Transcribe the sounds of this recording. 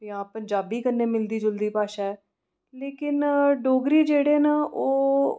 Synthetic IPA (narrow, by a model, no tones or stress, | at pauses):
jãːpəɲd͡ʒaːbiːkənːeːmɪld̪iːd͡ʒʊld̪iːpaːʃaːɛː | leːkɪnɖoːɡɾiːd͡ʒeːɽeːnaːʔoː